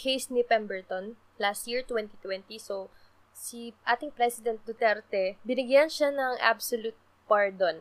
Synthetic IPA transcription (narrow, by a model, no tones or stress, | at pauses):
kʰejsnipɛmbɛɹt̪on | last̪̚jiɹt̪wɛnt̪it̪wɛnt̪iso | siʔaːt̪ɪŋpɾɛsɪd̪ɛnt̪̚d̪ʊt̪ɛɾt̪ɛbɪnɪɡjanʃanɐŋʔa̰bsolut̪̚ | paɹd̪on